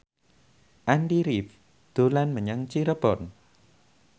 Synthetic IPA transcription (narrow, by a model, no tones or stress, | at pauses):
ʔanɖiɾif | d̪̥o̤lanməɲaŋt͡ʃiɾəb̥ɔn